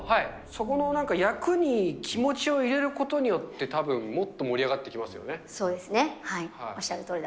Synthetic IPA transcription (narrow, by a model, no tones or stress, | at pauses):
hai | so̞ko̞no̞nãŋkajakɯ̟ɲ̟ikʲʰimo̞t͡ɕio̞iɾe̞ɾɯ̟ko̞t̪o̞ɲ̟ijo̞t̪ːe̞t̪abɯ̟̃mːo̞t̪ːo̞mo̞ɾʲiaɡat̪ːe̞kʲimasɨjo̞̰ne̞so̞ːd̪e̞sɨnehaioɕiaɾɯ̟t̪oːɾid̪a